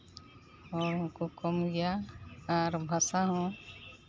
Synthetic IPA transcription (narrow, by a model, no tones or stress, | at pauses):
ɔːɾʊ̃kokɔmɡɛjaː | ɾbʱasaɦɔ̃